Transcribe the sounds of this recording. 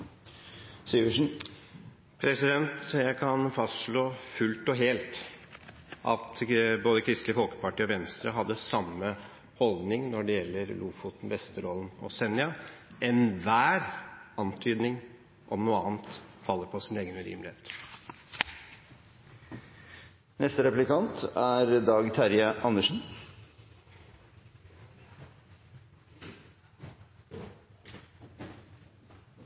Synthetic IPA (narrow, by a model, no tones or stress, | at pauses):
siːʉʂn̩ | pʰɾɛsɪd̪ɛnt̪jækʰɑnfɑst̪ʂɭoːfʉlt̪ɔɦeːlt̪ | ʔɑ̰t̪boːd̪əkʰɾɪst̪lɪəfɔlkə̥pɑʈiːɔʋɛnst̪ɾəɦɑd̪ːəsɑmːə | hɔld̪nɪŋnɔɖɛjɛlːəɾlʔuːfut̪n̩ʋɛst̪əɾoːlənɔ̰sɛnːɪɑɛnʋæːɾɑnt̪ʰyːd̪nɪŋ | ʔɔmnuːəɑːnt̪fɑlːəɾpʰɔsɪneːɡənʉɾḭːmlɪhḛːt̪ | nɛst̪əɾɛplɪkʰɑnt̪æɾd̪ɑːɡt̪ʰæɾjəʔɑnːəʂn̩